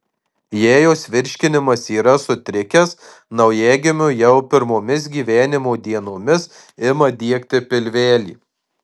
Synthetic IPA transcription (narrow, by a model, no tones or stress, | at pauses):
jeːjoːsʲʋʲɪɾʲʃʲkʲɪnʲɪmɐsiːɾɐsʊt̪ʲɾʲɪkʲɛs | nɐʊjæːɡʲɪmʲʊjɛʊpʲɪɾmoːmʲɪs̬ɡʲiːʋʲæːnʲɪmoːd̪ʲiɛnoːmʲɪs | ɪmɐd̪ʲiɛkt̪ʲɪpʲɪlʲʋʲæːlʲḭː